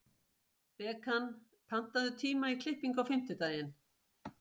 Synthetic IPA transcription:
pɛːkan | pʰan̥t̪aðʏt̪ʰiːmaikʰlɪhpiŋkawfɪm̥t̪ʏt̪aːjɪn

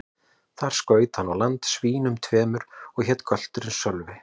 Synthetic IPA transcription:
θaɾ̥skœːɥt̪hanːawlant̪sviːnʏmt̪ʰvɛːmʏɾɔɣçɛt̪kʰœl̥t̪ʏɾɪnsœlvɪ

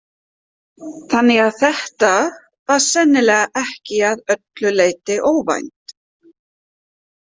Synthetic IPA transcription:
θanːɪɣaðθɛht̪a | vaɾ̥sɛnːɪlɛːɣaʔɛhcɪaðœt̪lʏleːjt̪ɪʔoːwva̰jnt̪

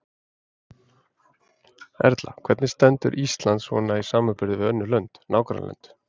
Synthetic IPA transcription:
ɛ̰ɾt̪la̰kʰv̥ɛɾt̪nɪst̪ɛnt̪ʏ̰ɾʔist̪lant̪svɔ̰naisaːmapɪɾðɪvɪðœnːʏlœnt̪naːwkɾa̰nlœ̰nt̪

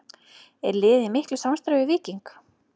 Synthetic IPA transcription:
ɛ̰ɾlɪːðɪmɪhklʏsamst̪ɾavɪvɪːciŋk

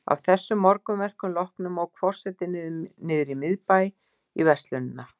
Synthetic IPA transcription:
a̰v̥θɛsːʏmːɔɾkʏmvɛr̥kʏmlɔhknʏmɔwkʰfɔr̥sɛt̪ɪnnɪːðɾimɪðpaj | ivɛst̪lʏnɪnːa

